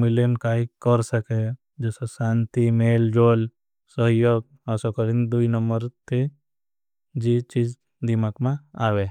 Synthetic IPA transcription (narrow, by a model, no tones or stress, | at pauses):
miljənkaːɦikəɾsəke | d͡ʒeːsesaːnt̪imeːld͡ʒoːl | səɦjoːɡ̚ | ɐsokəɾind̪uinəmbəɾt̪ʰe | d͡ʒit͡ʃiːd͡ʒ | d̪imakmãaːʋe